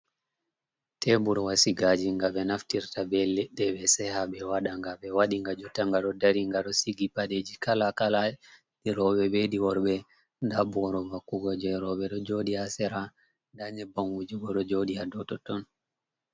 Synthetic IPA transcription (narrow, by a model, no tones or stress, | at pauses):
tʰɛbuɾwasiɡad͡ʒiŋɡaɓɛnaftiɾtabɛlɛɗːɛɓɛsɛhaɓɛwaɗaŋɡaɓɛwaɗiŋɡad͡ʒɔtaŋɡaɗɔdaɾiŋɡaɗɔsiɡipaɗed͡ʒikalakala | ɗiɾɔɓɛbeɗiwɔɾbɛ | ndabɔɾɔvakːuɡɔd͡ʒɛɾɔɓɛɗɔd͡ʒodiasɛɾa | ndaɲɛbaŋwud͡ʒiɡɔɗɔd͡ʒoɗiadɔtɔtɔn